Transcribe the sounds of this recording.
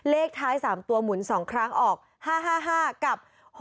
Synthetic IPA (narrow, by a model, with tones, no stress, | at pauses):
leː˥˩k̚t̪ʰaː˦˥jsaː˩˦mt̪u˧əɐmu˨˩˦nsɔː˩˦ŋkʰɾa˦˥ŋʔɔː˨˩k̚ | haː˥˩ɦaː˥˩ɦaː˥˩ka˨˩p̚ | h